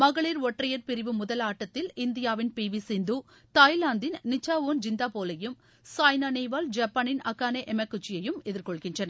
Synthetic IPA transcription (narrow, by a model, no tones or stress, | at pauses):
mɐɣɐɭiːɾʋɔʈrɐjɐɾpɪɾɪʋɯmʊðɐlaːʈːɐt̪ːɪlɪnd̪ɪjaːʋɪnpiːʋisɪnd̪uː | t̪aːjlaːnd̪ɪnːɪt͡ʃːaːʋoːnd͡ʒɪnd̪aːpoːlɐjɯm | saːjnaːneːʋaːld͡ʒɐpːaːnɪnɐkːaːneʔɛmɛkːʊt͡ʃːɪjɐjɯmɛðɪɾkɔɭɣɪndrɐnɐ